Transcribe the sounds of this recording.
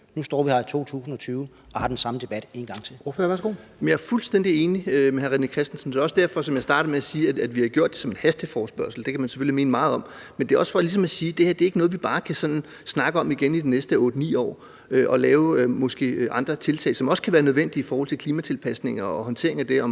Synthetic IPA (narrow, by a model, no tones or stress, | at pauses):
nusd̥ɒ̰ːʋihɑit͡sʰo̝̰ːt͡sʰṵːsn̩ɒ̽t͡sʰyːʊ | ʔɒ̽hɑ̈d̥ensɑ̈məd̥e̝b̥æd̥e̝nɡ̥ɑ̈ŋ̰t͡sʰe̝lɔfʋæɐsɡ̥o̝̰ːjm̩jɑ̈æɐfulsd̥en̰d̥ie̝ːniømeɦæʁinəkʰʁɛsd̥n̩sn̩d̥eɒ̽sd̥æɐ̰fɒ̽sɒ̽mjɑ̈ɪd̥ɑ̈ːɾ̥ɐmeæsiːææd̥ʋihɑ̈ɡ̥jo̝ɐ̰d̥e̝sɒ̽me̝nhæsd̥efɒːsb̥ɶɐsl̩d̥e̝kʰæmænse̥følime̝ːnəmɑ̈ːð̞̩ˠɒ̽mmend̥e̝æɒ̽sfɒlis̬ɒ̽mæsiːd̥e̝heɐd̥e̝ɐe̝ɡ̥ənɔ̽ðˠʋib̥ɑ̈ːkʰæsɒ̽nn̩ | snɑ̈ɡ̥əɒ̽miɡ̥enid̥inesd̥əɔ̽ːd̥ənḭːɒ̰ː | øʔɒ̽lɛːʊømɔ̽sɡ̥e̝̰ːʔɑ̈nd̥ʁɐt͡sʰe̝lt͡sʰɛ̰ːɪsɒ̽mɒ̽sə̥kʰæʋæːɐnøð̞ˠʋen̰d̥iifɒɔːhɒ̽l̰t͡sʰelkʰliːmæt͡sʰe̝lpʰæsne̝ŋɒːhɒ̽nt͡sʰe̝ɐe̝ŋæd̥e̝ɒ̽m